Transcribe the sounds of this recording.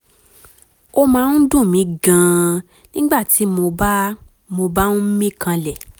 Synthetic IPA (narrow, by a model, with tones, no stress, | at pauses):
o˦mãː˧n̩˦dũ˦˨mĩ˨˦ɡã˨ | nĩ˦ɡ͡ba˦˨ti˨˦mo˧˦ | mo˧ba˦nũ˦m̩˦mĩ˦kã˧lɛ˨